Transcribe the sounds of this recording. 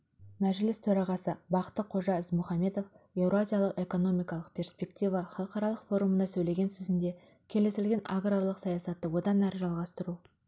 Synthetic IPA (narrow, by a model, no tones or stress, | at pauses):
mæʒɪlɪst̪ʰɵɾɑʁɑsəbɑqə̥t̪ːəqʰo̞ʒɑɪzmʊχɑme̞d̪o̞fe̞vɾoazʲijɑlˠəqe̞ko̞no̞mijkɑlˠəq̚pʲʰe̞rspʲe̞kt̪ijvɑχɑlˠəqɑɾɑlˠəqfo̞ɾumənɑsɵjle̞ɡʲe̞nsɵzɪnd̪e̞ | kʲʰe̞le̞sɪlɡʲe̞nʔaɡrolˠəqsɑjɑsɑt̪ːəwo̞d̪ɑnæɾəʒɑlˠʁɑst̪əɾu